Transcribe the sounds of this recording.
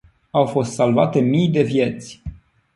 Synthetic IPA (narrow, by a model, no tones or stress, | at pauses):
awfo̞st̪salvat̪e̞mijd̪e̞vje̞t̪sʲ